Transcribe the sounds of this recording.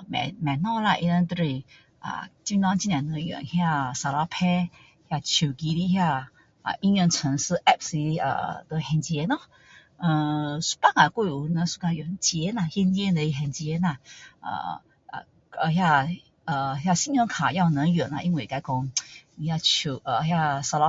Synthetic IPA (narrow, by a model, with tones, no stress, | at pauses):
mɛ̰˨˩mɛ˨˩nɔ˥˧la˧ʔḭ˧nə˧nt̪ə˧ɾe˧ | ʔə̰˧˩t͡ɕi˧nwã˧˦nt͡ɕi˧njã˨˩nə˧˦ŋjɛ̰˨nhja˥˧˨sa˧la˧pʰɛ˦ | hja˥˧t͡ɕʰu˨˩ki˧˦ɾi˧hja˥˧ | ə̰˧˩ʔi˧njə˧t͡sʰə˧˦ŋs̩˧ʔɛ˥˧˨p̚si˧ə̰˧˨˩t̪ə˧hɛ˧nt͡ɕɛ˧˦nɔ˧ | ə̃˧su̥˧pa˧˥˨ŋa˨˩kwe˥˧˨u˧nə˧su̥˧ka˧jɛ˨˩nt͡ɕi˧ɛ˧˦na˧˨hjɛ˧ni˧ɛ˧˦də˧i˧ɦɛ˨˧˩nt͡ɕjɛ˧˦na˧˨ə̰˧˩˧ | ə˧hja˥˧ | ə˨hja˥˧ɕi˧˥njɔ˧ŋkʰa˨˩ja˥˧ʊnə˨˦ŋjɛ˨˩˦na̰˧˨ʔi˧nwe˨˩˨ka˧ɪkɔ˧ŋni˧ja˥˧t͡ɕʰu˨˩ʔə˨˩hja˥˧sa˧la˧˦